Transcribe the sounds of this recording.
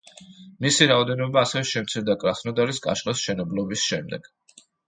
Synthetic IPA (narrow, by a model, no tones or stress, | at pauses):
misiɾaɔd̪ɛnɔbaːsɛvɛʃɛmt̪sʰiɾd̪akʼɾasʰnɔd̪aɾiskʼa̰ʃlasʃɛnɔblɔbisʃɛmd̪ɛɡ̥